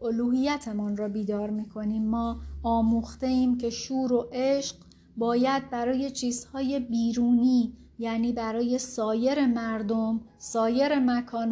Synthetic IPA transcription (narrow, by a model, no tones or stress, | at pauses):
oluːɦijæt̪ʰe̞munrɒːbiːd̪ɒːɾmiːkʰo̞niːmːɒːɒːmuːxt̪e̞iːmcʰe̞ʃuːɾo̞ʔeʃɢ | bɒːjæd̪̚bæɾɒːje̞t͡ʃʰiːzhɒːje̞biːɾuːniː | jæːniːbæɾɒːje̞sɒːje̞ɾe̞mæɾd̪o̞m | sɒːje̞ɾe̞mækʰɒːn